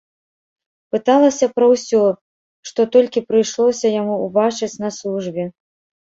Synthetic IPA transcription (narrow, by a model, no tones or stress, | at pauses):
pɨt̪alˠɐsʲɐpɾɐwsʲɔ | ʂt̪ɔt̪ɔlʲkʲipɾɨjʂlˠɔsʲɐjamuubat͡ʂɨt͡sʲnɐslˠuʐbʲɛ